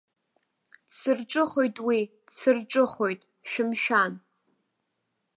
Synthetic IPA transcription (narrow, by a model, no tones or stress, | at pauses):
sɨrʈ͡ʂʼɨχo̞jtʼwi | sɨrʈ͡ʂʼɨχo̞jtʼ | ʃᶣɪmʃᶣan